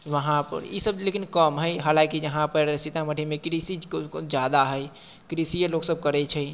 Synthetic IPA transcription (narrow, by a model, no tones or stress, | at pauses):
ʋəɦãpə̰ɾjḭsəblekinkəmɦəɪɦaːlãkid͡ʒəɦãpəɾsit̪ãməɖʱimẽkɾisid͡ʒjad̪aɦəɪ | kɾisijəloɡsəb̚kəɾɛt͡ʃʰɛ